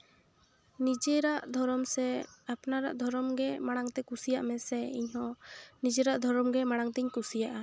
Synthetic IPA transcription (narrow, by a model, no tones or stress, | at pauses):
nid͡ʒɛɾaʔd̪ʱɔɾɔmsɛapnaɾaʔd̪ʱɔɾɔmɡɛmaɽ̃aŋt̪ɛkusijaʔmɛsɛḭɲɦɔ̃nid͡ʒɛɾaʔd̪ʱɔɾɔmɡɛmaɽ̃aŋt̪iɲkusijaʔa